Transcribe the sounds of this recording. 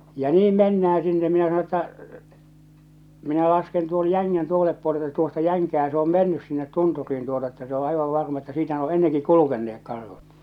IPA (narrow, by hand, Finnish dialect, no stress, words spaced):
jɑ niːm menːææ sinːe minæ sɑno tːɑ minæ lɑsken tuon jæŋːæn toˑesel̆ĕp puole etːæ tuostɑ jæŋkæː se om menːys sinːet tunturˑiːn tuotɑ etːæ se o ɑiʋɑʋ ʋɑrmɑ etːæ siːtæ ne o enːeŋki kulukenːeːk kɑrhut